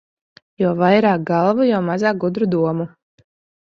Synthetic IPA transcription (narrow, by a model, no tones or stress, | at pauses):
juɔvajɾaːk̚ɡalˠvujɔmazaːk̚ɡud̪ɾud̪uɔmu